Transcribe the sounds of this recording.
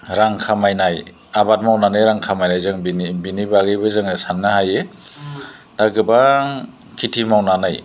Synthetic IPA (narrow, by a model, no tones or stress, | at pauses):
ɾaŋkʰamajnaj | abat̚mawnanajɾaŋkʰamajnajzɯŋbiibinibaɡɯbɯzɯŋsanːɯhaje | d̥aɡɯbaŋ | kʰitʰimawnanaj